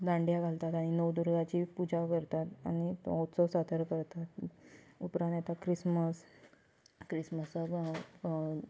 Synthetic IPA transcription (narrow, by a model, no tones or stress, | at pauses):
d̪ãɳɖjaɡʱalt̪at̪aɽ̃inəwd̪uɾɡat͡ɕiːpud͡ʑakəɾt̪at̪a̰ñitɔ̃wt̪sɔsat̪əɾkəɾt̪at̪upɾãnjat̪akɾisməs | kɾisməsə